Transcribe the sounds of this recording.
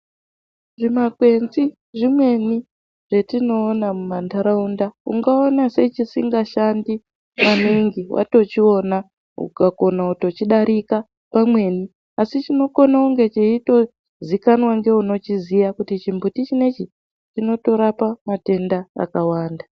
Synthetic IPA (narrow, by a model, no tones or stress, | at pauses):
ʐimakwe̞nzi | ʐimwe̞ni | ʐ̥e̞tino̞ːnamumandaɾaundaṵŋɡaonase̞t͡ʃisiŋɡaʃandi | maniŋɡiwʔa̰to̞t͡ʃio̞na | ṵkako̞nauto̞t͡ʃiɗaɾʔika | pamwe̞ni | asit͡ʃino̞ko̞nauŋɡe̞t͡ʃeito̞ | zikanwaŋɡe̞uno̞t͡ʃizijakutit͡ʃimbutit͡ʃine̞t͡ʃi | t͡ʃino̞to̞ɾapamate̞ndaa̰kawaːnda